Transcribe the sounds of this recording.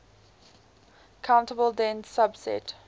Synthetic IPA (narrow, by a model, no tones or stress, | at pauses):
kʰãʊ̃ntəbəlˠdɛ̃nsabsɛ̰t